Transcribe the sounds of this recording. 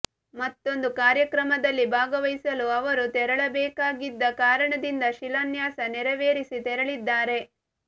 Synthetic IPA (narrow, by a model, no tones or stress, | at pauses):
mɐt̪ːo̞nd̪ukaːɾjɐkɾɐmɐd̪ɐlːibʱaːɡɐʋɐjsɐluɐʋɐɾut̪ɛɾɐɭɐbɛːkaːɡid̪ːɐkaːɾɐɳɐd̪ind̪ɐʃilɐnjaːsɐnɛɾɐʋeːɾisit̪ɛɾɐɭid̪ːaːɾe̞